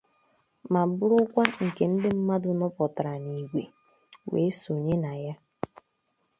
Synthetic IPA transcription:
ma˨bʊ˦ɾʊ˦kʷa˦ŋ̩˨ke˨n̩˦dɪ˦m̩˦ma˦dʊ˨nɔ˦pɔ˨ta˨ɾa˨ni˨ɡʷe˨ | wḛ˨˦so˨ɲe˦na˨ja˦

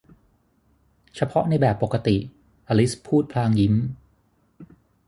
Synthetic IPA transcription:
t͡ɕʰa˧pʰɔ˦˥ʔna˧jbɛː˨˩pːo˨˩kːa˧t̪i˨˩ | ʔaː˧li˦˥spʰuː˥˩t̪̚pʰlaː˧ŋji˦˥m

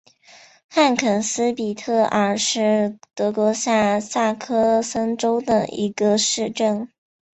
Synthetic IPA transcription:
xa˥˩nkʰə˨˩nsɹ̩˥pi˨˩t̪ʰɤ˥˩ʔə˞˧˥ʂɻ̩˥˩t̪ɤ˧˥kwɔ˧˥sa˥˧sa˥˩kʰɤ˥sə˥ŋʈ͡ʂo˥ʊd̪ə̰˨ḭ˧˥ɡə˧ʂɻ̩˥˧ʈ͡ʂə˥˩n

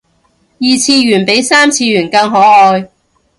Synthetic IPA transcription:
jiː˧t͡sʰiː˧jyː˨˩npe˨˥jsaː˥mt͡sʰiː˧jyː˨˩nkɐ˧ŋɦɔː˨˥ɔː˧j

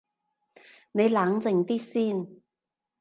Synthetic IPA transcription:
ne˨˧jlaː˨˥ŋt͡sɪ˨˩ŋt̪iː˥siː˥˩n

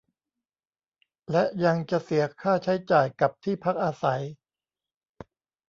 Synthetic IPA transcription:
lɛ˦˥ʔja˧ŋt͡ɕa˨˩si˨˩˦ɐkʰaː˥˩t͡ɕʰa˦˥jt͡ɕaː˨˩jka˨˩p̚t̪ʰiː˥˩pʰa˦˥k̚ʔaː˧sa˩˦j

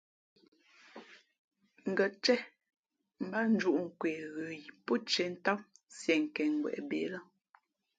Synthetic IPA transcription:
ŋ̩˨ɡə˨t͡ʃɛ˦ | m̩˦ba˦n˦d͡ʒu˦˨ʔŋ̩˨kwe˨ɣə˨ji˨pɔ˦t͡ʃɛ˨n̩˦ta˦wsjɛ˨ŋ̩˨kɛ˨ŋ˨ɡwɛ̰˨ʔbeː˨˦la˦

